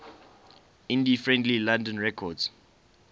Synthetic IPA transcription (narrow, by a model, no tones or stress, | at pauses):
ĩndifɹɛ̃ndlilãndə̃nɹɛkʰɔds